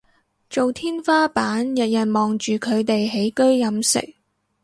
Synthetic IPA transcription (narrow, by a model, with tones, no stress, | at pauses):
t͡ʃo˨wt̪ʰiː˥nfaː˥paː˨˥njɐ˨t̚jɐ˨n̚mɔː˨˩ŋt͡ʃyː˨kʰɵ˨˧ɥt̪e˨jɦe˨˥jkɵ˥ɥjɐ˨˧msɪ̰˨˩k̚